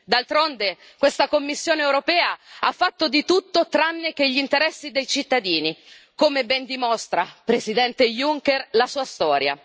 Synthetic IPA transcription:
d̪alt̪ɾond̪e | kwest̪akomːisːjoːneːwɾopɛːaafːat̪ːod̪it̪ut̪ːot̪ɾanːek̟eʎːint̪eɾɛsːid̪ejt͡ʃit̪ːad̪iːni | komebɛnd̪imɔst̪ɾapɾesid̪ɛnt̪ejuŋkerlasuːast̪ɔːɾja̰

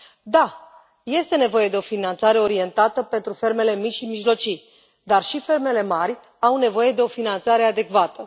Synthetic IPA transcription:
d̪a | je̞st̪e̞ne̞vo̞je̞d̪e̞o̞finant̪saɾe̞o̞ɾie̞nt̪at̪əpe̞nt̪ɾufe̞rme̞le̞mit͡ʃʲʃimiʒlo̞t͡ʃi | d̪arʃife̞rme̞le̞marʲ | awne̞vo̞je̞d̪e̞o̞finant̪saɾe̞ad̪e̞kvat̪ə

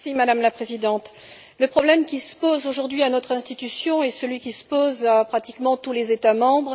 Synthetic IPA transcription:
simad̪amlapχezid̪ɑ̃t̪ | ləpχɔblɛmkʲisə̥pozoʒuʁd̪ɥianɔt̪χɛ̃st̪it̪ysjɔ̃ɛsəlɥikʲisə̥pozapχat̪ikmɑ̃t̪ulezet̪amɑ̃bʁ

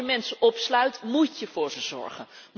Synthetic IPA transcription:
əmɛnsəʔɔpslœɥtmucəvʊːɹzəz̥ɔ̰ɹχən | m

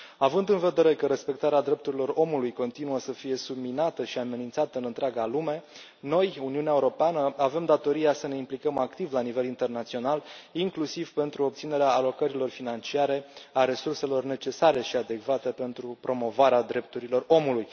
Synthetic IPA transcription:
avɨnd̪ɨnve̞d̪e̞ɾe̞kəɾe̞spe̞k̚t̪aɾead̪ɾe̞p̚t̪uɾilo̞ro̞mulujko̞nt̪inuəsəfije̞sub̚minat̪əʃiame̞nint̪sat̪əɨnɨnt̪ɾʲaɡalume̞ | no̞juniuneaeuɾo̞peanəave̞md̪at̪o̞ɾiasəne̞implikəmakt̪ivlanive̞lint̪e̞rnat̪sio̞naliŋklusiv̥pe̞nt̪ɾuop̚t̪sine̞ɾeaːlo̞kəɾilo̞rfinant͡ʃiaɾe̞aɾe̞surse̞lo̞rne̞t͡ʃe̞saɾe̞ʃiad̪e̞kvat̪e̞pe̞nt̪ɾupɾo̞mo̞vaɾead̪ɾe̞p̚t̪uɾilo̞ro̞muluj

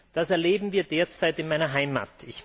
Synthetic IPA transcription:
d̥asɛɐleːbm̩viːɐdeːɐt͡saɪtɪnmaɪnɐɦaɪma̰tɪç

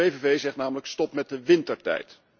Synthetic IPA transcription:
evevejzɛχtnaːmələkstɔpmɛt̚dəʋɪntəɹtɛ̰jt

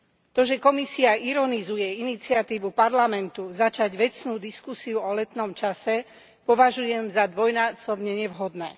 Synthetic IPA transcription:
t̪ɔʒɛkɔmisiaʔiɾɔnizujɛinit͡siat̪iːʋupaɾlamɛnt̪uzat͡ʃaɟʋɛt͡snuːd̪iskusiuɔlɛt̪nɔmt͡ʃasɛ | pɔʋaʒujɛmzad̪ʋɔjnaːsɔbɲɛɲɛʋɦɔd̪nɛ̰ː

